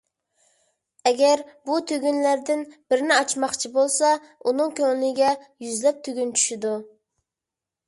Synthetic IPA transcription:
ɛɡʲɛɾbut̪ʰøɡʲynlæɾd̪ɪnb̥ɪɾnɪɑt͡ʃmɑχt͡ʃʰibolˠsɑ | unɨŋkʲʰøŋlɪɡʲɛjyzlɛp̚t̪ʰøɡʲynt͡ʃʰy̥ʃid̪u

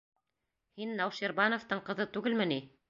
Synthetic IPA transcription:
hinːɑwʃeɾbɑnŏft̪ɤɴqɤ̆ðɤt̪ʉɡɘlmɘ̆ni

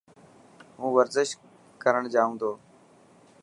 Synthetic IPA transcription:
ɦũːʋəɾzɪʃ | kəɾəɳ̃d͡ʒaːɦũːn̆d̪oː

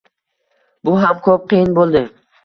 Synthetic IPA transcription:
bʊɦamkʰɵp̚qʰijɪnbolˠd̪ɪ

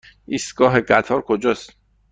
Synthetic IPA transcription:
ʔist̪ɡɒːɦeɢæt̪ʰɒːɾkʰod͡ʒɒːst̪

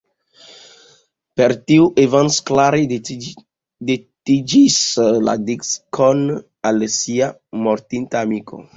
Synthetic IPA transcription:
peɾtiuʔevantsklaɾe | detid͡ʒisla̰dikskʰon | alsia | moɾtintaːmikʰo̰

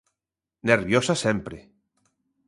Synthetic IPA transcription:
neɾβjosasẽmpɾe

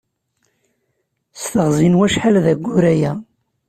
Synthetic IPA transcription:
sθəʁzinwæʃħalðæɡːʊɾæjæ

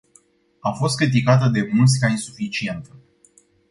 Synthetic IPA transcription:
afo̞st̪̚kɾit̪̬ikat̪əd̪e̞munsikainsufit͡ʃie̞nt̪ə

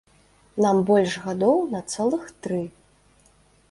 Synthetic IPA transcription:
nambɔlʲʂɣad̪ɔwnɐt̪sɛlˠɨxt̪ɾɨ

